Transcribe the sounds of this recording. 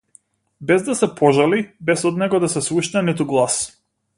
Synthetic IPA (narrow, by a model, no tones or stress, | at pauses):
bɛzd̪asɛpʰɔʒalibɛsɔd̪nɛɡɔd̪asɛsuʃnɛnit̪̬uɡlˠas